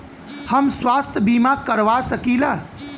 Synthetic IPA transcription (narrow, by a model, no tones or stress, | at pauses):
həmswaːst̪ʰbiːmakəɾʋasəkiːlaː